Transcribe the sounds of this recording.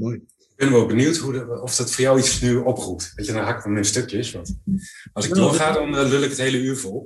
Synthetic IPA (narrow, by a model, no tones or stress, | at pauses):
ɡ̚b̥ɛnʋɔlˠbənywtɦuɔfd̥ɔtfoːɹjawisnyɔprup̚tʋecədɔnɦakfɔmɛnstøkjəsʋɑntɑlˠsətnɔχaːdɔnlølɪkɦəthejləyːɹvɔlˠ